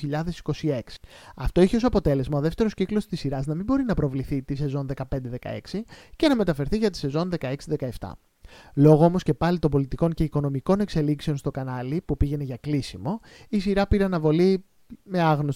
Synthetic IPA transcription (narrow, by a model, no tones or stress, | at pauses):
iʎɐðe̞si̥ko̞sie̞ksi̥ɐft̪o̞içeosɐpo̞t̪e̞le̞zmɐoðeft̪e̞ɾosciklo̞st̪isiɾɐznɐmimbo̞ɾinɐpɾo̞vliθit̪ise̞zo̞nðe̞kɐpe̞nd̪e̞ðe̞kɐ̰e̞̰ksice̞nɐme̞t̪ɐfe̞ɾθiʝɐt̪i̥se̞zo̞nðe̞kɐe̞ksiðe̞kɐe̞ft̪ɐ̰ | lo̞ɣoo̞mo̞sce̞pɐlit̪o̞mbo̞lit̪iko̞ɲce̞iko̞no̞miko̞ne̞kse̞likseonst̪o̞kɐnɐlipupiʝe̞ne̞ʝɐklisimo̞ | isiɾɐpiɾeɐnɐvo̞li | me̞ɐɣnos